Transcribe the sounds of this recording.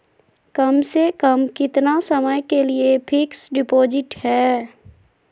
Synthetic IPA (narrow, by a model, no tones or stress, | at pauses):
kəmsekəmkɪt̪nasəməjkeliepʰɪksɖɪpoːd͡ʒɪʈhɛː